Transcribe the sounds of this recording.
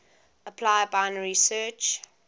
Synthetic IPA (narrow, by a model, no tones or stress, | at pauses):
əpʰlaɪbaɪ̃nəɹisɜːt͡ʃ